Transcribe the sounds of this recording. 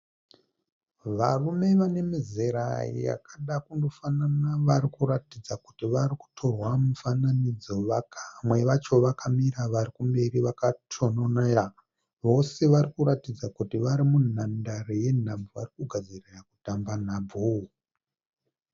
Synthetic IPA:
ʋarume̞ʋane̞mizeɾa̰ḭja̰kʰaɗakundo̞fananaʋaɾikuɾatid͡zaku̥tiʋaɾiku̥tʰo̞rwamufananid͡zo̞ʋakamwe̞ʋat͡ʃo̞ʋakʰamiɾaʋaɾikumbe̞ɾiʋakatʰononaa | ʋo̞se̞ʋaɾikuɾatid͡zakutiʋaɾimunn̤andareje̞n̤abvuʋarikuɡʱad͡ziriraku̥tamban̤abu

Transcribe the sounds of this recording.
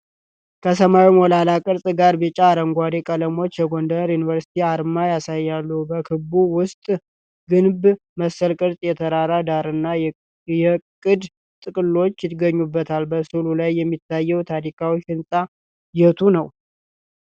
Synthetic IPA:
kʰəsəmawimolalakʼɨɾsʼɡaɾbɨt͡ʃʼaːɾəŋɡʷad̪ekʼələmo̞t͡ʃːjɛɡo̞nd̪əɾjunivəɾsi̥t̪ʰiaɾmajasajːalːəhubəkʰɨbuwʊst̪ʼ | ɡɨnb | məsːəlkʼɨɾt̪ʼjɛt̪ʰəɾaɾad̪aɾɨnːa | jɛkʼɨd̪ | t̪ʼɨkʼɨlːo̞t͡ʃːjɪt̪ɡəɲːubːət̪ʰalbəsululajːɛmːit̪ʰːajːɛwt̪ʰad̪ikʰawifɨnsʼa | jɛt̪ʰunəw

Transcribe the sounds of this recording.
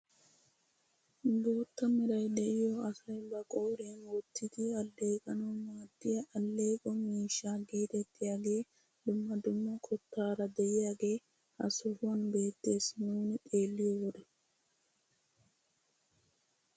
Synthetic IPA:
doːt̪ːɐmɪɾɐjd̪ɛʔɪjoɐsɐjbɐkʼoːɾeːnwɔt̪ːɪt̪ɪɐlːe̞ːkʼɐnɐwmaːd̪ːɪjɐʔɐlːeːkʼɔmiːʃːaːɡeːt̪ɛt̪ʰːɪjaːɡe̞ː | d̪ʊmːɐd̪ʊmːɐkʰʼɔt̪ːaːɾɐd̪ɛʔɪjaːɡe̞ː | ʔɐ̰sʊfʊɐnbe̞ːt̪ːe̞ːsnuːnɪt̪ʼeːlːɪjowɔd̪ɛ

